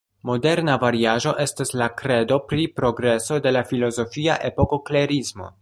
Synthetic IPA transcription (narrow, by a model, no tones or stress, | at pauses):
mo̞de̞ɾnavaɾiaʒo̞ʔe̞staslakɾe̞do̞pɾipɾo̞ɡɾe̞so̞de̞lafilo̞zo̞fiaʔe̞po̞ko̞kleɾismo̞̰